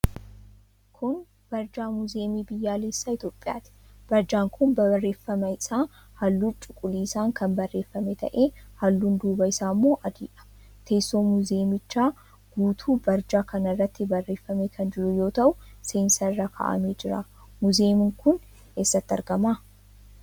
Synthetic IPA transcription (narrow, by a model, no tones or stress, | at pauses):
kʰʊn | b̥ɐɾd͡ʒaːmʊze̞ːmiːbɪjːaːleːsːaːɪt̪joːpʼːɪja̰ːt̪ɪ̥ | b̥ɐɾd͡ʒaːŋkʰʊnbɐrːe̞ːfːɐmɐɪsaː | hɐlːuːt͡ʃʼʊkʼːʊliːɪsaːŋkʰɐnbɐrːe̞ːfːɐmɛt̪ɐ̰ʔeːhɐlːuːnd̪uːbɐɪsaːmːo̞ːʔɐd̪iːʔɐ̥ | t̪e̞ːsːo̞ːmʊze̞ːmɪt͡ʃːaː | ɡ̥uːt̪ʰuːbɐɾd͡ʒaːkɐnɐrːɐt̪ːɪbɐrːe̞ːfːɐmekʰɐnd͡ʒɪɾʊjo̞ːt̪ɐʔʊseːnsɐɪrːakʰɐ̰ːʔɐ̰meːd͡ʒɪɾa̰ː | mʊzeːmɪŋkʊn | eːsːɐt̪ːɪɐ̰ɾɡɐmaː